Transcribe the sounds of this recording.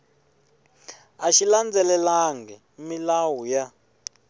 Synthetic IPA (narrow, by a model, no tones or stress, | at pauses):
aʃiland͡zɛlɛlaŋɡɛ | milawuja